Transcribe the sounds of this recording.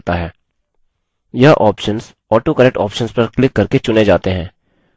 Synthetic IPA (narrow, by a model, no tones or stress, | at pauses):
t̪aɦɛː | jɐɦʔɔːpʃəns | ɔːʈokəɾɛk̚ʈɔːpʃənspɐɾklɪkːɐɾket͡ʃʊned͡ʒaːt̪eɦɛ̃ː